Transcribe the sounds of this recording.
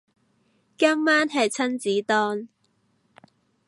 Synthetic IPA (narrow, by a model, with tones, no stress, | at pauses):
kaː˥mmaː˥nɦɐ˨˩jt͡sʰɐ˥nt͡siː˨˥t̪ɔː˥n